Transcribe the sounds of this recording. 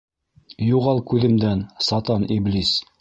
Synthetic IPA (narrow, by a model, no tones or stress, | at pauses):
juʁɑlˠkʉðɘ̆md̪ænsɑt̪ɑniblʲis